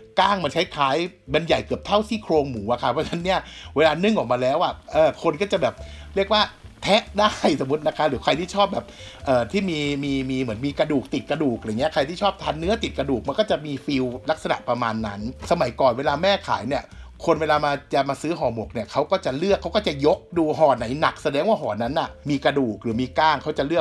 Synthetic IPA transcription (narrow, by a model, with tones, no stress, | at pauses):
kaː˥˩ŋma˧nt͡ɕʰa˦˥jkʰaː˦˥jma˧nja˨˩jkɯ˨˩əp̚t̪ʰa˥˩wt̪ʰiː˥˩kʰɾoː˧ŋmuː˩˦ʔa˨˩kʰa˦˥pʰɔ˦˥t͡ɕʰa˧˦˥nːi˥˩ɐweː˧laː˧nɯ˥˩ŋʔɔː˨˩k̚maː˧lɛː˦˥wʔa˨˩ʔɤː˨˩kʰo˧nkɔː˥˩t͡ɕa˨˩bɛː˨˩p̚ɾəkwaː˥˩ | t̪ʰɛ˦˥ʔdaː˥˩jso˩˦mu˦˥t̪̚na˦˥kʰa˦˥ɾɯː˩˦kʰa˧jt̪iː˥˩t͡ɕʰɔː˥˩p̚bɛː˨˩p̚ʔɤː˨˩t̪ʰiː˥˩miː˧miː˧miː˧mɯ˩˦ənmiː˧kɾa˧duː˨˩k̚t̪i˨˩t̪̚ka˧duː˨˩k̚a˧˨˩ŋi˦˥ɐ˩kʰa˧jt̪ʰiː˥˩ɔː˥˩p̚t̪ʰaː˧nːɯ˦˥ɐt̪i˨˩t̪̚ka˧duː˨˩k̚ma˧nkɔː˥˩t͡ɕa˨˩miː˧fi˧wla˦˥k̚sa˧na̰˨˩ʔpɾa˧maː˧nːa˦˥nsa˧ma˩˦jkɔː˨˩nweː˧laː˧mɛː˥˩kʰaː˩˦jni˥˩ɐkʰo˧nweː˧laː˧maː˧t͡ɕa˨˩maː˧sɯː˦˥ɦɔː˨˩mo˨˩k̚ni˥˩ɐkʰa˦˥wkɔː˥˩t͡ɕa˨˩lɯ˥˩əkʰːa˦˥wkɔː˥˩t͡ɕa˨˩jo˦˥k̚duː˧ɦɔː˨˩na˩˦jna˨˩k̚sa˧dɛː˧ŋwaː˥˩ɦɔː˨˩nːa˦˥nʔa˨˩miː˧ka˧duː˨˩k̚ɾɯː˩˦miː˧kaː˥˩ŋkʰa˦˥wt͡ɕa˨˩lɯ˥˩ək̚